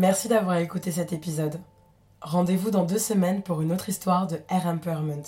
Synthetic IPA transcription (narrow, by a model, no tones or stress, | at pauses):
mɛʁsid̪avwaʁekut̪es̬ɛt̪epizɔd̪ | ʁɑ̃d̪evud̪ɑ̃d̪øsəmɛnpuʁynot̪χist̪waʁd̪əɛʁɛmpɛʁmɛ̃nt̪